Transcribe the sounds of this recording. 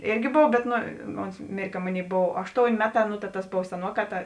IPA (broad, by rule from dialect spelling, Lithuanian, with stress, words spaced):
ˈeːrʲɡʲɪ ˈboːw bʲɛt ˈnoː ˈoːns ˈmʲeːrʲ kɐ ˈmoːˌnʲeːɪ ˈboːw ˈɑːʃˌtoːʊnʲ ˈmʲæːˌtɑː nʊ tɐ tɐs ˈboːw sʲɛˈnuɔˌkɑː ˈtɐ